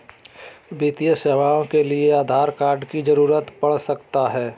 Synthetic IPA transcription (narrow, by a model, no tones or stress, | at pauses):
bit̪ijəseːʋaːõkelieaːd̪ʱaːɾkaːɾɖkid͡ʒɐɾuːɾət̪pɐɽ̤sɐkt̪aɦɛː